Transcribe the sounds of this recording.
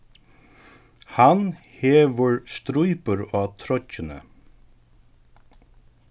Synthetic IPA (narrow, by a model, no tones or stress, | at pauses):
han | heːʋəɹst̪ɾujpəɾaːt̪ʰɾɔcənə̰